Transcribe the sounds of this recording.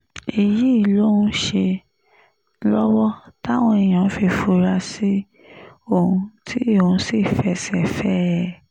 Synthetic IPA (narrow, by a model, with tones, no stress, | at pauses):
i˨ji˨˦i˦˨lo˦ũ˦ʃe˧ | lɔ˦wɔ˦ta˦˨w̃ɔ̃˧e˨j̃ã˨˦fi˧fu˧ɾa˧si˦ | o˦˨hũ˧tʰi˦e˦o˨ũ˧si˦˨fɛ˧sɛ˨fɛ˦ɾɛ˦˨